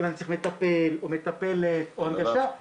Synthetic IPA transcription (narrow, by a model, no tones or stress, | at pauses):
lant͡simet̪apelomet̪apelet̪ohanɡaʃa